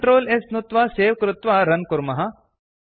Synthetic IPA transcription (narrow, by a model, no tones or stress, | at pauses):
ʈɾoːlesnut̪ʋaːseːʋkɾʊt̪ʋaɾɐnkʊɾmɐɦɐ